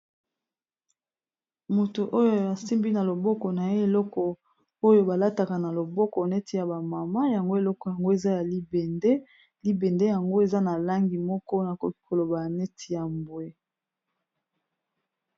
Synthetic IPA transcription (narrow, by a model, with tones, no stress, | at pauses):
mo˨to˨ʔo˦jo˦˨a˨si˦mbi˦na˨lo˨bɔ˦kɔ˨na˨e˦e˨lɔ˦kɔ˨ | o˦jo˦ba˨la˦ta˨ka˨na˨lo˨bɔ˦kɔ˨ne˦tʰi˨ja˨ba˨ma˨ma˦ja˨ŋɡo˦e˨lɔ˦kɔ˨ja˨ŋɡo˦e˨za˦ja˨li˦be˨nde˦ | li˦be˨nde˦ja˨ŋɡo˦e˨za˦na˨la˦ŋɡi˨mɔ˦kɔ˦na˨kɔ˦ki̥˦ko˨lo˨ba˨ja˨ne˦tʰi˨ja˨mbwe˦